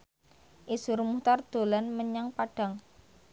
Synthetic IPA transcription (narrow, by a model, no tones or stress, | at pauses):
ʔisʊrmut̪ard̪̥o̤lanməɲaŋpaɖ̥a̤ŋ